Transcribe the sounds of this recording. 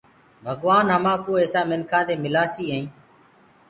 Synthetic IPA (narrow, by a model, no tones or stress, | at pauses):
bʱəɡʋaːnɦəmãːkoːeːsaːmɪnkʰãːd̪eːmɪlaːsiːɦeĩː